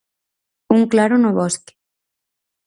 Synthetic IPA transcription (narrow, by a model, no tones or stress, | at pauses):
uŋklaɾonoβoske̥